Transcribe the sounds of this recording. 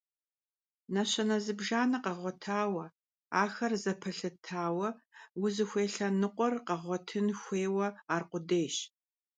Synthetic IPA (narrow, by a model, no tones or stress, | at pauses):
nɐɕɐnɐzɨbʒaːnɐqɐʁʷɔtʰaːwɐ | aːxɐrzɐpʰɐɬɨtʰaːwɐwʊzɨxʷeːɬɐnɨqʷʼɔrqɐʁʷɔtʰɨnxʷeːwɐaːrqʷʊdeːɕ